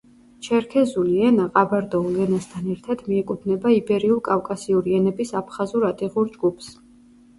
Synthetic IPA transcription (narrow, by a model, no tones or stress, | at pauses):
t͡ʃʰɛɾkʰɛzuliɛnaqʼabaɾd̪ɔlɛnast̪ʰanɛɾt̪ʰad̪miɛkʼud̪nɛbaibɛɾiulˠkʼafkʼasiuɾiɛnɛbisapʰχazuɾat̪ʼiʁuɾd͡ʒɡupʰs